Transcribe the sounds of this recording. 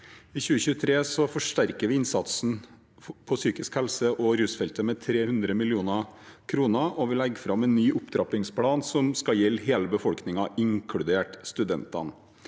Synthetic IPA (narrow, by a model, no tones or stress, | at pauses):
içʉːəçʉːət̪ʰɾeːsɔfɔʂʈæɾkəʋɪɪnsɑt̪sn̩ | pʰɔsyːkɪskhɛlsəʔɔɾʉːsfɛlt̪əmɛt̪ʰɾeːhʉnd̪ɾəmɪlɪuːnɑkʰɾuːnəʔɔʋɪlɛɡːfɾɑmɛːnːyːʔʊpd̪ɾɑːpɪŋspʰlɑːnsɔmskɑjɛlːɦeːləbəfɔlknɪŋɑʔɪŋkʰɽʉd̪eːʈst̪ʉd̪ɛnt̪ɑ̰n